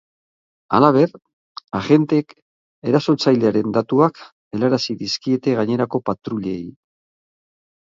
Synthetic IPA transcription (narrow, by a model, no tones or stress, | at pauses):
a̰laβ̞e̞ɾ | aɣe̞nt̪e̞k | e̞ɾaso̞t͡sajle̞aɾe̞nd̪at̪uak | e̞laɾasiðiskie̞t̪e̞ɣaɲe̞ɾako̞pat̪ɾuʎe̞j